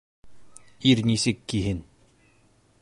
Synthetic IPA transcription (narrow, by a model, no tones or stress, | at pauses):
iɾnʲisɘkːiɦɘn